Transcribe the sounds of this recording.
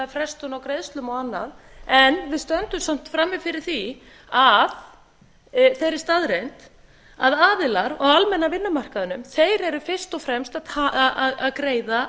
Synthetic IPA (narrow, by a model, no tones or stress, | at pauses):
afɾɛst̪ʏnawkɾejðst̪lʏmɔanːa̰ð | ɛnvɪðst̪œnt̪ʏmsam̥t̪fɾamːɪfɪɾɪɾ̥θi | að | θejɾɪ̥st̪aðɾejnt̪ | aðaːðɪlaɾɔɣalmɛnːavɪnːʏmar̥kaðʏnʏmθejɾɛɾʏfɪr̥st̪ɔfɾɛmst̪aaaðkɾeːjða